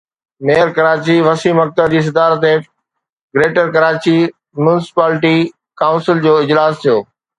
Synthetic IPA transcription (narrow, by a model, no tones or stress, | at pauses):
meːəɾkɐɾaːt͡ɕiʋɐsiːmɐk̚t̪əd͡ʑiːs̬ɐd̪aːɾət̪̬e | ɡɾeːʈəɾkɐɾaːt͡ɕi | mʊnɪsɪ̥paːlɪʈi | kãːʊ̃nsɪld͡ʑoːɪd͡ʑlaːst̪ʰijoː